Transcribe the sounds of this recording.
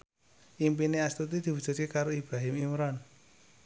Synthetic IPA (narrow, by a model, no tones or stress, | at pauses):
ʔimpineast̪ut̪id̪̥i̤wu̥ʒ̥ṳt̪̚kekaɾoib̥ɾaɦɪmimɾɔn